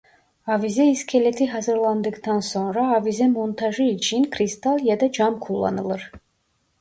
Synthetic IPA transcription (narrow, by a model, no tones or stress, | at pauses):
ɑvizɛiskʲʰelet̪ʰiɦɑzɯɾlˠɑnd̪ɯkd̪ʰɑnsɔnɾɑːvizɛmont̪ʰɑʒɯːt͡ʃʰinkʰɾist̪ʰɑlˠjɑd̪ɑd͡ʒɑmkʰulˠːɑ̰nɯlˠɯɾ